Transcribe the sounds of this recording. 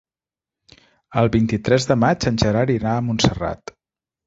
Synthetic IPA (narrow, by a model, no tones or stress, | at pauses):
əlˠβint̪it̪ɾɛzðəmad͡ʒənʲʒəɾaɾinaəmunsəra̰t̪